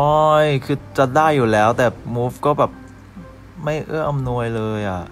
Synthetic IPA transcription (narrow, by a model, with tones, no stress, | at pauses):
ʔɔ˦˥˩jkʰɯː˧t͡ɕa˨˩daː˥˩jːuː˨˩lɛː˦˥wt̪ɛː˨˩muː˦˥fkɔː˥˩bɛː˨˩p̚ | ma˥˩jʔɯ˥˩əʔa˧mnu˧əjlɤː˧jʔa˨˩ʔ